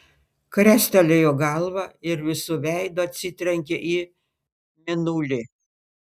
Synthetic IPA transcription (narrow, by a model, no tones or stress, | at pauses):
kɾʲɛsʲt̪ʲɛlʲejoːɡɐlˠʋɑɪɾʋʲɪsʊʋʲæɪd̪oːɐt̪ʲsʲɪt̪ʲɾʲɛŋʲkʲɛʔiː | mʲɪnuːlʲɪ